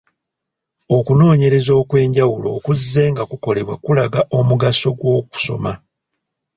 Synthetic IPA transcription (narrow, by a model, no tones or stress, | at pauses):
o̞kuno̞ːɲe̞ɾe̞zo̞ːkwe̞ːɲɟawulo̞ːkuzːe̞ːŋɡakuko̞le̞βwa̰kulaɡaʔo̞muɡaso̞ɡwo̞ːku̥so̞̰ma